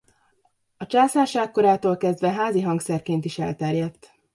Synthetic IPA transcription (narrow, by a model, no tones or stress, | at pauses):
ɒt͡ʃaːsaːʃaːkːo̞ɾaːt̪oːlkɛzd̪ʋɛɦaːziɦɒŋksɛrkeːnt̪iʃɛ̰lt̪ɛrjɛt̪ː